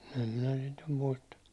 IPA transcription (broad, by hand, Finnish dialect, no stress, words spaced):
em minæ sit num muistɑ